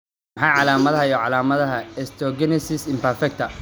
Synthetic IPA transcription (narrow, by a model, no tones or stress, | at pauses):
ħɑːʕɑlaːmɐðɐɦɐjɔʕɑlaːmɐðɐɦɐɛst̪ʰɔɡɛnɛsɪsɪmpɐrfɛk̚t̪ʰɐ